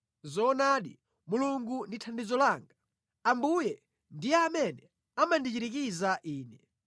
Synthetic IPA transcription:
zɔnaɗḭ | muluŋɡunditʰandizɔlaːŋɡa | ambujɛ | ndijɛamɛnɛ | amandit͡ʃiɾik̬izaʔiːnɛ

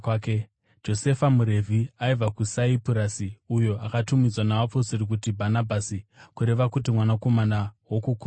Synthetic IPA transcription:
ke | d͡ʒo̞se̞famuɾe̞vʱiaivakusaipuɾasiujo̞ʔakatumid͡zwanawaposiɾik̬utibʱanabʱasikuɾe̞ʋakut̬imwanako̞manawokuku

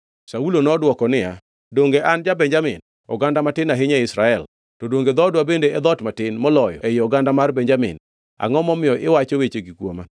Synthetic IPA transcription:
saulonɔdwɔkɔnɪja | doŋɡeʔand͡ʒabɛɲd͡ʒamɪ̰n | ɔ̰ɡandamatɪnaɦɪɲaɪsɾaɛl | tɔdoŋɡed̪ɔdwabendeɛd̪ɔtmatɪnmɔlɔjɔ̰ɛjɪɔɡandamarbɛɲd͡ʒamɪ̰n | a̰ŋɔmɔmɪjɔʔɪwat͡ʃɔwet͡ʃeɡikwoma

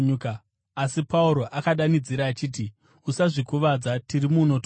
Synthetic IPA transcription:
k | asipauɾo̞ʔakaɗanid͡ziɾaːt͡ʃiːt̬i | usaʐikuʋad͡zatirimuno̞t

